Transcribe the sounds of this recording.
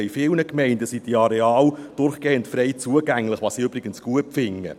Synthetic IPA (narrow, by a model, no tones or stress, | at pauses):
ɪfɪlnəkmɛɪndəsid̥iɑɾɛɑːld̥ʊɾχɡ̥eːəntfɾɛɪt͡suəɡæŋlɪχvʋɑːsiøbɾɪɡ̥ənsɡ̥uəpfɪŋːə̰